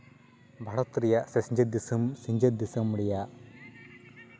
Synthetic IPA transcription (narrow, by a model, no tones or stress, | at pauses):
bʱɐɽɐt̪ɾijɐsɐsɲd͡ʒɐd̪ːisɐmsiɲd͡ʒɐd̪ːisɐmːuɽija